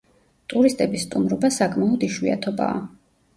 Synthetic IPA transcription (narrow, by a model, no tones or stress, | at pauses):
t̪ʼuɾist̪ʼɛbisːt̪ʼumɾɔbasakʼmaɔd̪iʃwia̰t̪ʰɔba̰ː